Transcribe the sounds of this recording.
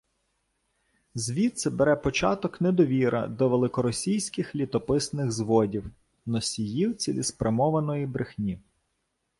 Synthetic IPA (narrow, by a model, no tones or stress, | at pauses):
zʲʋʲit̪sɛbeɾɛpɔt͡ʃɑt̪ɔknɛd̪ɔʋʲiɾʔɐ̰d̪ɔʋelˠɪkɔɾɔsʲijsʲkɪxlʲit̪ɔpɪsnɪɣzʋɔdʲiw | nɔsʲijiwt͡sʲilʲispɾɐmɔʋɐnɔjibɾɪxnʲi